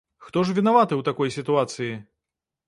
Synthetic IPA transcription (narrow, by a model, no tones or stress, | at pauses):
xt̪ɔʐ̬vʲinavat̪ɨwt̪akɔjsʲit̪uat̪sɨji